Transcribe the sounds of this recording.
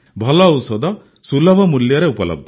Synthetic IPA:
bʱɐlɐwsɔd̪ʱɐ | sulɐbʱɐmuljɐɾeupɐlɐ̰b̚d̪ʱ

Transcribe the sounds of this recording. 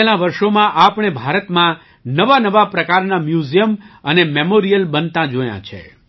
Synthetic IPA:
elãʋəɾʃomãʔapɳ̃ebʱaɾət̪mã | nəʋanəʋapɾəkaɾnamjuzijəmənememoɾijəlbənt̪ãd͡ʒojã̰t͡ʃʰḛ

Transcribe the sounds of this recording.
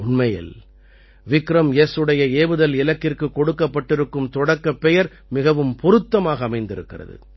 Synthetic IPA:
ʊnmɐjɪ̰l | ʋɪkɾɐmjeːsɯɽɐjɐeːʋɯðɐlɪlɐkːɪrkɯkːɔɽɯkːɐpːɐʈːɪɾɯkːɯmt̪ɔɽɐkːɐpːɛjɐɾ | mɪɣɐʋɯmpɔɾɯt̪ːɐmaːɣɐːmɐɪnd̪ɪɾɯkːɪrɐ̰ðɯ̰

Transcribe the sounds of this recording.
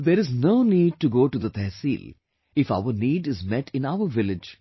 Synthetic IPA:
d̪eɾɪznoːniːɖ̚ʈuɡoːʈud̪ət̪ʰɛːsḭːl | ɪfa̰ʊəɾniːɖɪzmɛʈʰɪ̃naʊəɾʋɪlɪd͡ʒ

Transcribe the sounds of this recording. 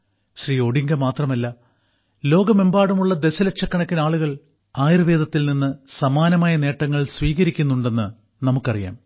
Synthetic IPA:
ɕriːo̞ɽiŋɡɐmaːt̪rɐmɐlːɐ | lo̞ːɡɐmembaːɽumuɭːɐd̪e̞ɕɐlɐkʂɐkːɐɳɐkʲːinaːɭuɣɐɭ | aːjirɐʋe̞ːd̪ɐt̪ːilninːɨsɐmaːnɐmaːjɐne̞ːʈːɐŋːɐɭsʋiːɣɐɾikʲːunːuɳɖe̞nːɨ | nɐmukːɐrija̰ːm

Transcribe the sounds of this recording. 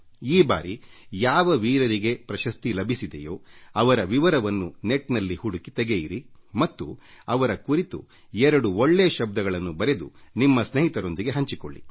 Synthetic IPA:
iːba̰ːɾijaːʋɐʋiːɾɐɾiɡe̞pɾɐʃɐst̪ilɐbʱisid̪ejo̞ːɐʋɐɾɐʋiʋɐɾɐʋɐnːuneʈnɐlːihuɽukit̪ɛɡejiɾimɐt̪ːuɐʋɐɾɐkuɾit̪ṵ | ɛɾɐɽuoɭːeːʃɐb̚d̪ɐɡɐɭɐnːubɐɾe̞d̪unimːɐsneɦit̪ɐɾo̞nd̪iɡe̞ɦɐɲt͡ʃiko̰ɭːḭ

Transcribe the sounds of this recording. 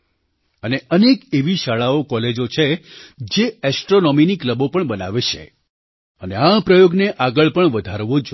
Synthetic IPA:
əneʔənekeʋiʃaɭaokɔled͡ʒot͡ʃʰed͡ʒeɛsʈɾonɔminikləbopəɳbəna̰ʋet͡ʃʰḛ | əneapɾəjoɡneʔaɡəɭpəɳʋəd̪ʱaɾʋod͡ʒ

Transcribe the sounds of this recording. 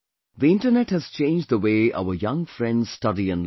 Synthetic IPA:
ðiɪ̃nʈənɛʈhɨz̥t͡ʃẽɪ̃nd͡ʒd̪ðəweːʔa̰ʊəjʌ̃ŋfɾɛ̃ndz̥stʌɾiə̃n

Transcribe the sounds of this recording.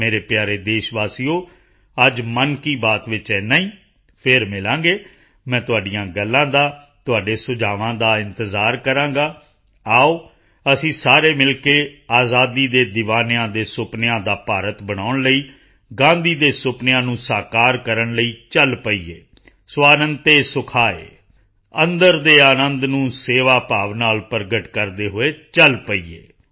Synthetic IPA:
meːɾeːpjaːɾeːd̪eːʃʋaːsiːoː | əd͡ʒmənkiːbaːt̪ʋɪt͡ʃɛːnaĩː | pʰɪɾmɪlãːŋɡeː | mɛ̃ːt̪ʊaːɖɪjãːɡəlːãːd̪aː | t̪ʊaːɖeːsʊd͡ʒaːʋãːd̪aːɪnt̪əzaːɾkəɾãːɡaː | aːoː | əsĩːsaːɾeːmɪlkeːaːzaːd̪iːd̪eːd̪ɪʋaːnjãːd̪eːsʊpnjãːd̪aːpaːɾət̪bəɽ̃aːʊɳləiː | ɡãːnd̪iːd̪eːsʊpnɪjãːnũːsaːkaːɾkəɾəɳləiːt͡ʃəlpəḭːḛː | swaːnənt̪eːsʊkʰaːḛː | ə̃nd̪əɾd̪eːaːnənd̪nũːseːʋaːpaːʋnaːlpəɾɡəʈkəɾd̪eːɦoeːt͡ʃəlpəiːḛː

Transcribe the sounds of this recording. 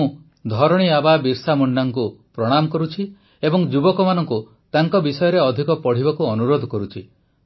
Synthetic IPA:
ũ | d̪ʱɔɾɔɽ̃iababiɾsamɔɳɖaŋkupɾɔɽ̃amɔkɔɾut͡ʃʰi | ebɔŋd͡ʒubɔkɔmanɔŋku | t̪aŋkɔbisɔjɔɾeɔd̪ʱikɔpɔɽ̤ibɔkuɔnuɾod̪ʱɔkɔɾut͡ʃʰi

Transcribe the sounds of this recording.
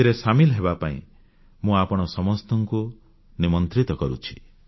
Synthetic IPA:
iɾesamilɔɦeβapaḭ̃ | mũapɔɽ̃ɔsɔmɔst̪ɔŋku | nimɔnt̪ɾit̪ɔkɔɾṵt͡ʃʰi̥

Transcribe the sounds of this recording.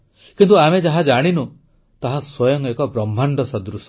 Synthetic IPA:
kint̪uamed͡ʒaɦad͡ʒaɽ̃inu | t̪aɦaswɔjɔŋekɔbɾɔm̤ʱːaɳɖɔsɔd̪ɾusɔ̥

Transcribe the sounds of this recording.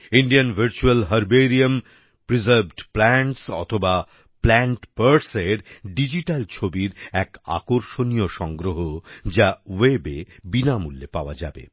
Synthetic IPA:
iɳɖijanvʱɐɾt͡ɕualɦɐɾbeɾiam | pɾizəɾbʱɖplɛɳʈsɔ̰t̪ʰoba | plɛɳʈpəɾseɾɖid͡ʑiʈalt͡ɕʰobiɾɛka̰koɾʃonijoʃɔŋɡɾoɦod͡ʑawebebinamulːepaoa̰d͡ʑa̰bḛ

